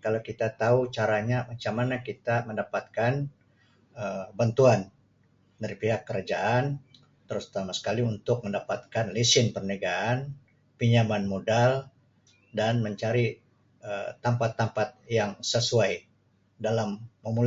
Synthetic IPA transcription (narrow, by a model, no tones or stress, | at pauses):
kalawkit̪at̪aut͡ʃaɾaɲamat͡ʃamanakit̪aməndapat̪̚kan | əbant̪uan | daɾipiɦakːəɾad͡ʒaʔan | t̪əɾʊst̪amasə̥kaliunt̪ʊk̚məndapat̪̚kanlisɪnpərneɡaːn | piɲamanmodal | danməɲt͡ʃaɾi | ət̪ampat̪ːampat̪̚jaŋsəsuaj | dalamːəmul